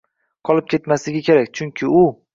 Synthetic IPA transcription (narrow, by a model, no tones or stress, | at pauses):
qʰɒlˠɪp̚kʲʰe̞t̪maslɪɡʲakʲʰe̞ɾakʲt͡ʃʰʊŋkʲʰɪʊ